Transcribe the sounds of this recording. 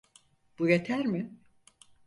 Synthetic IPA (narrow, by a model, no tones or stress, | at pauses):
b̥ujet̪ʰæɾmɪ